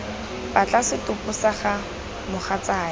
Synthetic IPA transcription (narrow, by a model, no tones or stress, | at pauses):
bat͡ɬasɪtʊpʼʊsaχa | mʊχat͡saː